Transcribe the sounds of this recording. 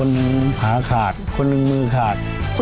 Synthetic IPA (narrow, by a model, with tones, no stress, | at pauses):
o˧nːɯ˧ŋ˧haː˩˦kʰaː˨˩t̪̚kʰo˧nːɯ˧ŋmɯː˧kʰaː˨˩t̪̚